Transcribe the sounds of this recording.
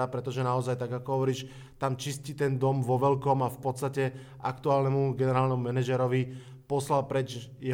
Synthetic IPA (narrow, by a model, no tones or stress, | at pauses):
apɾɛt̪ɔʒɛnaɔzajt̪aɡakɔɦɔʋɔɾiːʃ | t̪amt͡ʃiscit̪ɛnd̪ɔmʋɔʋɛlkɔmafpɔt̪t͡sst̪acɛ | a̰kt̪uaːlnɛmuɡɛnɛɾaːlnɛmumɛnaʒɛɾɔʋi | pɔslalpɾɛd͡ʒjɛ